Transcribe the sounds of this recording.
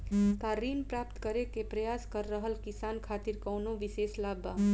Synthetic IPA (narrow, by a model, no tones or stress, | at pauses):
k̪aɾinpɾap̚t̪kəɾekepɾəjaskəɾːəɦəlkisankʰaːt̪iɾkəwnoʋiseːslaba